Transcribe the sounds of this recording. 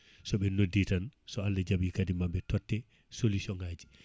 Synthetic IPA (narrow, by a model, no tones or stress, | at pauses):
sɔɓɛnodːitansɔalːɛd͡ʒabikadimabɛtɔtːɛ | solusɔŋɡaːd͡ʒi